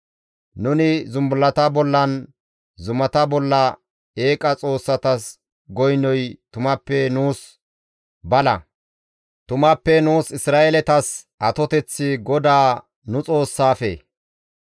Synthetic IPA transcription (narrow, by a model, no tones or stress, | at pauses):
nʊnɪzʊmbʊlɐt̪ɐbɔlːɐn | zʊmɐt̪ɐbɔlːɐ | e̞ːkʼɐt͡sʼo̞ːsːɐt̪ɐs | ɡɔjnɔjt̪ʊmɐpːɛnuːs | bɐlɐ | t̪ʊmɐpːɛnuːsɪsɾaːʔelɛt̪ɐs | ɐt̪ɔt̪ɛt͡sːɪɡɔd̪aː | nʊt͡sʼo̞ːsːaːfḛ